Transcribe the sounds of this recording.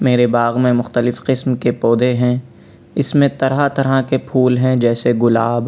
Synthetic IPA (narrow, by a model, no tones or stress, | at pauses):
meːɾebaːɣmẽmʊxt̪əlɪfqɪsmkepoːd̪eɦɛ̃ | ɪsmẽt̪ɐɾɦat̪ɐɾɦakepʰuːlɦɛ̃d͡ʒɛːseɡʊlaːb